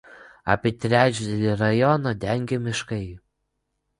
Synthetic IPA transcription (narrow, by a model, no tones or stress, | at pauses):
ɑ̰ːpʲit̪ʲɾʲæːt͡ʃʲd̪ʲɛlʲiɾɐjɔnɐd̪ʲɛŋʲɡʲemʲɪʃkɐɪ